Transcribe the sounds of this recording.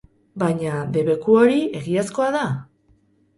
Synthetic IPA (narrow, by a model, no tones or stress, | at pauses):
bajɲaðe̞βe̞kuo̞ɾie̞ɣiasko̞aða